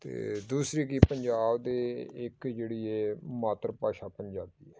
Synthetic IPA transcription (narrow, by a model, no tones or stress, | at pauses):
t̪ḛːd̪uːsɾiːkipəɲd͡ʒaːbd̪eːɪkd͡ʒeːɽiːɛːmaːt̪ɾəpaːʃaːpəɲd͡ʒaːbd̪iːɛː